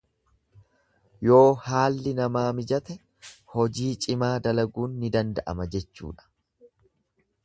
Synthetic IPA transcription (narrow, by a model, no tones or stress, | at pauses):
jo̞ːhaːlːɪnɐmaːmɪd͡ʒɐt̪ɛ | hɔd͡ʒiːt͡ʃʼɪmaːd̪ɐlɐɡuːnːɪd̪ɐnd̪ɐʔɐ̰mɐd͡ʒɛt͡ʃːṵːᶑɐ̥